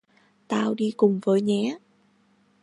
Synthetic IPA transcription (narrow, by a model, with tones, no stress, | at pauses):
t̪aː˧wɗi˧kʊ˨˩ŋ͡mvəː˨˦jɲɛ˨˦